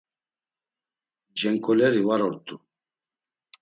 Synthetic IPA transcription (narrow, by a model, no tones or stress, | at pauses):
d͡ʒɛŋkʼɔlɛɾivaɾɔɾt̪ʼu